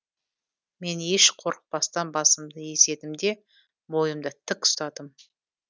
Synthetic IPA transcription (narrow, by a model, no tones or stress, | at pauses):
me̞neʃqʰo̞ɾəq̚pɑst̪ɑnbɑsəmd̪əje̞se̞d̪ɪmd̪e̞ | bo̞jəmd̪ət̪ʰɪkst̪ɑd̪əm